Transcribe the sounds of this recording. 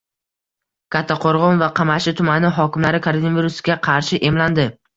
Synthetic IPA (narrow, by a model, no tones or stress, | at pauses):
kʲʰat̪ʰːaqʰoɾʁɒnvaqʰɑmaʃɪt̪ʰʊmanɪɦɒkʲɪmlaɾɪkʰoɾonaviɾusɡʲaqʰɑɾʃɪʔe̞mland̪ɪ